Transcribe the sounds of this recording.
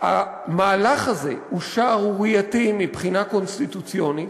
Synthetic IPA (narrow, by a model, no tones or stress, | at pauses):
a̰ | maːlaχazḛuʃaːʁuwijatimipχinako̞nst̪it̪ut͡sjonit